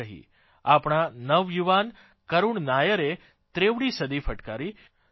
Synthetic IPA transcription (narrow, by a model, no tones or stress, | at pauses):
əɦḭ | apɳ̃anəʋjuʋan | kəɾuɳnajəɾe | t̪ɾeʋɽisəd̪ifəʈkaɾi